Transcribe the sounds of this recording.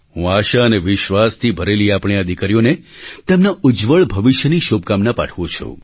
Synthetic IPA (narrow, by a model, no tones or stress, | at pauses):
ɦũaʃaəneʋɪʃʋast̪ʰibʱəɾeliapɽ̃iəd̪ʱikaɾijone | t̪emnaʊd͡ʒʋəɭbʱəʋɪʃjəniʃobkamnapa̰ʈʰʋũt͡ʃʰṵ̃